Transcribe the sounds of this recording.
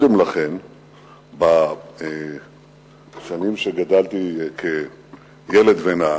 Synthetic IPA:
d̪emlaχe̞n | bae | ʃanimʃeɡad̪alt̪ikʰe | jeled̪vena

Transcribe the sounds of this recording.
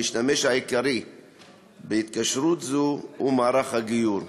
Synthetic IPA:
iʃt̪ameʃhaikaɾi | beit̪kaʃɾut̪zuumaːɾaχhaɡijuɾ

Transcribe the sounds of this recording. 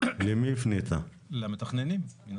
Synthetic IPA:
lemifnit̪ʰa | lamet̪aχnenimmin

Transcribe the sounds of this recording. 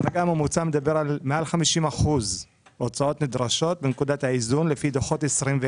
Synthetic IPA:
vaɡamumut͡samed̪abe̞ʁalmealχamiʃimaχuz | ʔot͡sao̞t̪mid̪ʁaʃo̞t̪̚benkud̪at̪haizunlefid̪oχo̞t̪esʁimve

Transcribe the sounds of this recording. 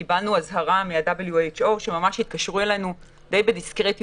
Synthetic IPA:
ibalnuazɦaʁamiadabeljuet͡ʃo̞ʃe̞mamaʃhit̪̚kaʃʁuelanu | d̪e̞jbediskʁet̪

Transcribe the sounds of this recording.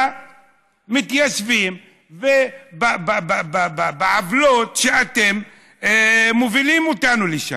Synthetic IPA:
mit̪jaʃvim | vebababababbeʕavlot̪ʃeat̪e̞m | ovilimot̪anuliʃa̰

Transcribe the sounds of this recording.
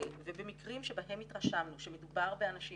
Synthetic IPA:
vebemikʁimʃebaɦemitʁaʃamnuʃeme̞dubaʁbeanaʃi

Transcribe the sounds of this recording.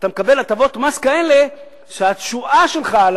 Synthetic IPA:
at̪amekabe̞lat̪avo̞t̪maskaenle | ʃeatʃuʔaʃe̞lχal

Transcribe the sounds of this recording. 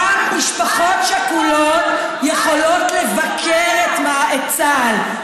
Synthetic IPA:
amiʃpaχo̞tʃakulot̪ | jeχo̞lo̞t̪le̞vakʰeʁet̪maaet͡sal

